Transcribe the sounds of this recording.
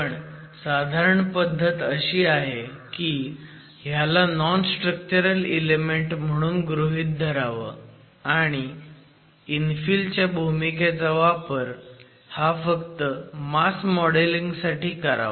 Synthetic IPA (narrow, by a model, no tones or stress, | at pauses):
pəɳ | sad̪ʱaɾəɳpəd̪ʱːət̪əɕiːaɦeki | ɦjalanɔnsʈɾək̚t͡ɕəɾəlelemeɳʈm̤əɽ̃uːnɡɾuɦiːt̪̚d̪ʱəɾaʋə̰ | aɽ̃iː | nfiːlt͡ɕjabʱumiked͡zaʋapəɾ | hafəkt̪əmaskmɔɽeliŋɡsaʈiːkəɾa̰ʋə